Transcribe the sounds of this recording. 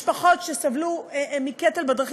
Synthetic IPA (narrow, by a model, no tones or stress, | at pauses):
paχo̞t̪ʃesavlumiket̪elbad̪ʁχ